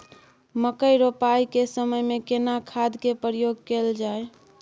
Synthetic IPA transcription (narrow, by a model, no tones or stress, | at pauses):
məkəjɾopaikesəməjmekenakʰad̪kepɾjoɡ̚keld͡ʒae